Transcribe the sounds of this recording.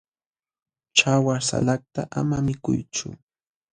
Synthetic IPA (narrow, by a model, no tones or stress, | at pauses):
t͡ʃawasa̰lak̚t̪aʔamamɪkʊjt͡ʃʊ̰